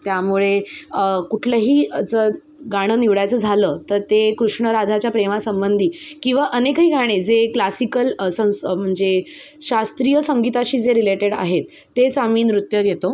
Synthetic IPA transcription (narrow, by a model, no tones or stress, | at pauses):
t̪jamuɭeəkuʈʰləɦiːat͡sə | ɡaɽ̃əːniʋɭajt͡səːd͡zʱaləːt̪əɾt̪ekɾuʂɳəɾad̪ʱat͡ɕjapɾemasəmbənd̪ʱiːkĩw̃ʋaʔənekɦiːɡʱaɽ̃ed͡zeklasikəlsə̃m̤əɳd͡ze | ɕast̪ɾijəsəŋɡit̪aɕiːd͡zeɾileʈeɽa̰ɦet̪ːet͡saʋiːnɾut̪jəɡʱet̪o